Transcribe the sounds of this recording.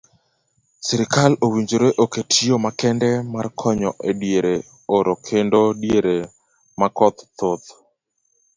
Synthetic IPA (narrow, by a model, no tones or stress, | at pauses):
siɾɪkalowiɲd͡ʒoɾeʔoketʰiomakɛndɛmarkʰɔɲɔʔedjeɾe | oɾokʰendodjeɾe | makɔt̪t̪ot̪